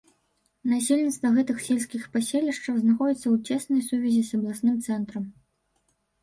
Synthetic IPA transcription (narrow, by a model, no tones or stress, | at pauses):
nasʲelʲnʲit̪st̪vɐɣɛt̪ɨxsʲelʲsʲkʲixpasʲelʲiʂt͡ʂɐwznaxɔd͡zʲit̪sːɐwt͡sʲɛsnɐjsuvʲɐzʲisɐblˠasnɨmt̪sɛnt̪ɾɐm